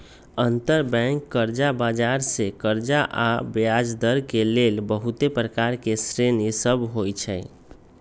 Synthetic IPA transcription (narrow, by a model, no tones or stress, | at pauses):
ənt̪əɾbɛ̃ŋkːəɾd͡ʒabad͡ʒaɾsekəɾd͡ʒaʔabjad͡ʒd̪əɾkelelbəɦut̪epɾəkaɾkesɾenisəbɦojt͡ʃʰəɪ